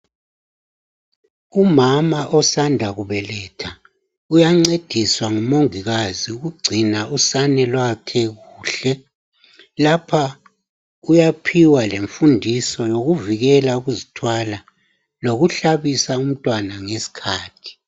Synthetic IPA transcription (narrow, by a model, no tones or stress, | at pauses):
umamaʔɔsandʱaɣuβɛlɛːtʰa | ujaŋ͡ǀed̥ʱiswaŋumoŋiɣaziuɣuɡ͡ǀʱinausanɛlwakʰɛɣuːɬɛ | lapʰa | ujapʰiwaleɱfundʱisɔjoɣuviɣɛlauɣuzitʰwala | loɣuɬaβisaum̩tʼwanaŋesi̥kʰaːtʰi̥